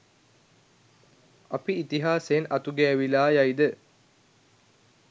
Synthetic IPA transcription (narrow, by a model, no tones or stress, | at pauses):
ɐpiːt̪iɦaːseːnʔɐt̪uɡeːʋilaːjaid̪ə